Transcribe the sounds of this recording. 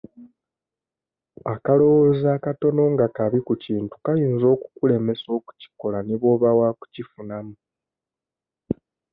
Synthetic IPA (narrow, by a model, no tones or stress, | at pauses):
akalo̞wozaːkato̞no̞ŋɡakaβikuciːntu̥kajiːnzo̞ːku̥kule̞me̞so̞ːku̥ci̥ko̞laniβo̞ːβawaku̥cifunamu